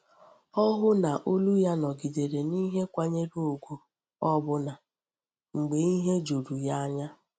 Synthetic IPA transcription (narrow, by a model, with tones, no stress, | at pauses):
ɔ˦ɦʊ˦na˨ʔo˦lu˦ja˦nɔ˨ɡi˨de˨ɾe˨ni˦ɦe˦kʷa˦ɲe˦do˦o˨ɡʷu˦ | ɔ˦bʊ˦na˨ | ŋ͡m̩˨ɡ͡be˨i˦ɦe˦d͡ʒo˨ɾu˨ja˦a˦ɲa˦